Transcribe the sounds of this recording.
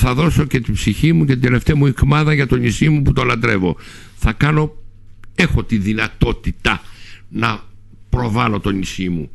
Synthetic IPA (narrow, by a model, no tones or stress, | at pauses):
θɐðo̞so̞ce̞t̪ibsiçimucet̪id̪e̞le̞ft̪eɐmuikmɐðɐʝɐt̪o̞nisimuput̪o̞lɐnd̪ɾe̞vo̞ | θɐkɐno̞ | e̞xo̞t̪iðinɐt̪o̞t̪it̪ɐnɐ | pɾo̞vɐlo̞t̪o̞nisimu